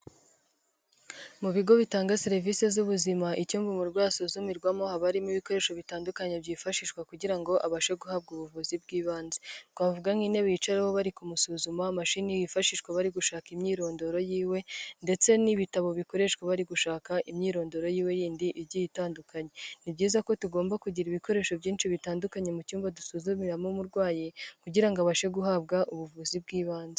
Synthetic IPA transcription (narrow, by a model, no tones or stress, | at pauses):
muβiɡo̞βitaːŋɡaseɾivise̞zuβuzimaʔicuːmvumuɾɡwaːsuzumiɾɡwamo̞haβaɾimiβiko̞ɾe̞ːʃoβitaːndukaɲebɟiːfaʃiʃkwakuɟiɾaŋɡo̞ʔaβaʃe̞ɡuhaːb̚ɡuβuvuzibɡiːβaːnzetɡwaːvuɡaŋ̥ine̞βit͡ʃaɾahoβaɾikumusuzumamaʃinijifaʃiʃkwaβaɾiɡuʃaːkimɲiːɾo̞ːndo̞ɾo̞jiːwe̞nde̞t͡se̞niβitaβo̞βiko̞ɾe̞ʃkweβaɾiɡuʃaːkaʔimɲiːɾo̞ːndo̞ɾo̞jiːwe̞jiːndiʔibɟijitaːndukʰaɲe̞nibɟiːzako̞tuɡo̞ːmbakuɟiɾiβiko̞ɾe̞ːʃo̞vɟiːnʃiβitaːndukaɲe̞mucuːmbadusuzumiɾamumuɾɡwaːjikuɟiɾaŋɡoaβaʃe̞ɡuɦabɡaʔuβuvuzib̚ɡiːβaːnze